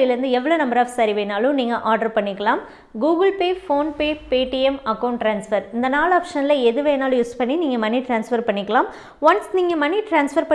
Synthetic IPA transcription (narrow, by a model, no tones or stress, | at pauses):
ɐɪlɪɾɯnd̪ɯɛʋːɐɭoːnɐmbɐɾaːʋsɐɾiʋeːnaːlʊ̃niːŋɡɐʔaːɾɖɐɾpɐɳːɪkːɐɭaːm | ɡuːɡɐlpeːfoːnpeːpeːʈiɛmɐkːɐʊɳʈʈɾaːnsfɐɾɪnd̪ɐnaːlaːpʂɐnlɐɛðɯʋeːnaːl̃juːspɐɳːiniːŋɡɐmɐnːiʈɾaːnsfɐɾpɐɳːɪkːɐɭaːm | ʋɐnsniːŋɡɐmɐnːiʈɾaːnsfɐɾpɐ